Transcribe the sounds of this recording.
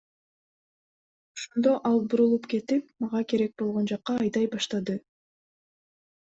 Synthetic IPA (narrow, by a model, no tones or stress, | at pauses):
oʃond̪o̞ʔɑlˠbuɾulˠupke̞t̪ipmɑʁɑke̞ɾe̞k̚bo̞lˠʁo̞nd͡ʒɑqːɑːjd̪ɑjbɑʃt̪ɑd̪ɯ